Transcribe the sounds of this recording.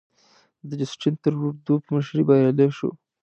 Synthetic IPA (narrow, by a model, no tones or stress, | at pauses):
d̪əd͡ʒɪsʈint̪əɾuɾd̪upməʃɾibɑjaleʃṵ